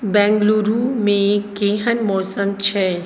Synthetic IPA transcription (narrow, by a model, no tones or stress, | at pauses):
bɛ̃ːŋɡluɾumẽkeːɦənmɔːsənt͡ʃʰɛː